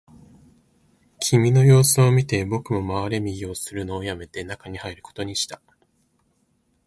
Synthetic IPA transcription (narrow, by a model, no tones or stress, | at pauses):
kʲʰimʲino̞jo̞ːsɨomʲit̪e̞bo̞kɯ̟mo̞maβaɾe̞mʲiɡʲiosɨɾɯ̟no̞ːjame̞t̪e̞nakaɲ̟ihaiɾɯ̟ko̞̥t̪o̞ɲ̟iɕi̥t̪a